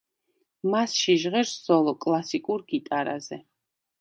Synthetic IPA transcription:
masʃiʒʁɛɾszɔlˠɔkʼlˠasikʼuɾɡ̥it̪ʼaɾa̰zɛ

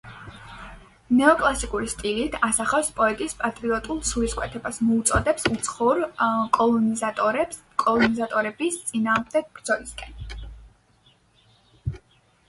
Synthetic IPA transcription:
nɛɔkʼlˠasikʼuɾist̪ʼilit̪ʰasaχɛwspʼɔɛt̪ʼispʼat̪ʼɾiɔt̪ʼulˠsuɾiskʼwɛt̪ʰɛbasmɔut̪sʼɔd̪ɛpsut̪sʰχɔɾkʼɔlˠ | kʼɔlˠɔnizat̪ʼɔɾɛbist̪sʼinaːʁmd̪ɛɡ̚bɾd̪z̥ɔliskʼɛn

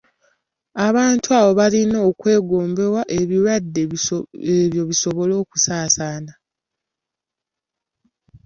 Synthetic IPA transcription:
aβaːntuaβo̞βalino̞ːkwe̞ːɡo̞ːmbe̞waʔe̞βiɾadːeeβjo̞βiso̞βo̞lo̞ːku̥saːsaːna

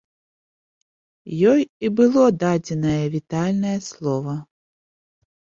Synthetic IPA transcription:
jɔjibɨlˠɔd̪ad͡zʲɛnɐjɐvʲit̪alʲnɐjɐslˠɔvɐ

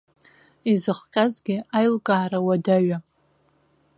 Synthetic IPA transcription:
izɨχqʲʼazɡʲɪajlkʼaːɾawadaɥa

